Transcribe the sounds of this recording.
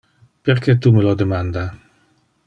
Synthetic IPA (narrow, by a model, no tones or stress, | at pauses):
peɾkɛt̪uməlod̪emand̪a